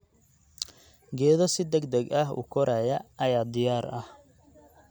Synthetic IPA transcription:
ɡɛːðɔsɪd̪ɐɡd̪ɐɡɐɦṵːkʰɔɾaːjɐɐjaːd̪ɪjaːɾɐh

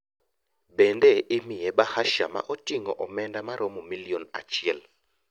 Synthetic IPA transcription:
bɛndɛʔɪmɪjɛbahaʃama̰ʔɔtiŋɔʔɔmɛndamaɾʔɔmɔmiliona̰t͡ʃɪɛl

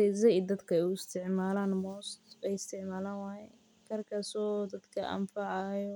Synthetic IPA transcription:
ɛzɐd̪ɐd̪kʰɐɛʊɪst̪ʰɪʕmaːlaːnmɔːst̪ɛjɪst̪ʰɪʕmaːlaːnwajɛ | kʰɐrkʰɐsɔːd̪ɐd̪kʰɐʔɐ̰mfɑʕɑjɔ

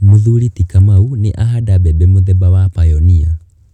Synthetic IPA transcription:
muðulitikamauniʔaɦadabɛbɛmuðɛbawapajɔniɔ

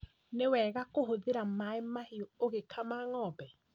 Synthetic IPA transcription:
newɛːɣakoɦoðeɾamaemahiɔoɣekʰamaːŋɔːbɛ

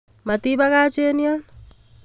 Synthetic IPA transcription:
matiβakat͡ʃenian

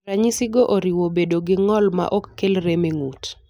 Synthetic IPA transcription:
aɲisiɡoʔoɾiwobedoɡɪŋɔlma̰ʔokːelɾemeŋut

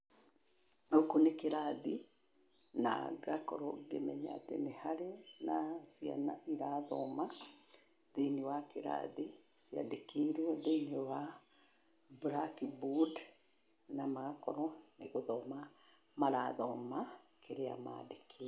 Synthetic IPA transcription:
okonekeɾaði | na̰ɣakɔ̰ɾɔɡemɛɲaa̰tḛnehaɾenasia̰naiɾaðɔ̰ma | ðeniwakeɾa̰ði | sja̰dekeɾwɛðenewa | bɾakibud | namaɣakɔɾɔneɣoðɔma | maɾaðɔmakʰeɾea̰ma̰dekʰe

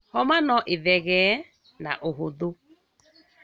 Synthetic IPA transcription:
hɔmanɔʔeðɛɣɛ | na̰ʔoɦoðo

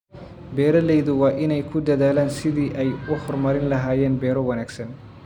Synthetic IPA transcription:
bɛːɾɐlɛjðʊwɑːʔɪnɛjkʰʊd̪ɐðaːlaːnsɪðiːʔɛjʊhɔrmɐɾɪnlɐɦaːjɛːnbɛːɾɔwɐnaːɡsɐn

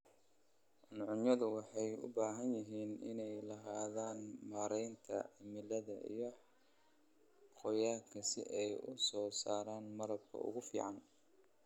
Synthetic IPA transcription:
ʕʊnʕʊnjɐðʊwɑħɑjʊ̰baːɦɐnjɪɦiːnɪ̰nɛjlɐɦaːðaːnmaːɾɛjnt̪ʰɐ̰ʕɪmɪlɐðɐḭjɞ | qɔjaːkʰɐsɪ̰ʔɛjʊsɔːsa̰ːɾaːnmɐɾɐb̚kʰɐ̰ʊ̰ɣʊfḭːʕɑn

